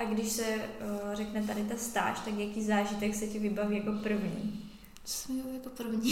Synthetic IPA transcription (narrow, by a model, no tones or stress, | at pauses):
ʔaɡdɪʃsɛrɛknɛt̪adɪt̪ast̪a̰ːʃt̪akjakiːzaːʒɪt̪ɛksɛcɛvɪbaviːjako̞pr̩vɲḭː | t͡so̥sɛmbjakoprvɲi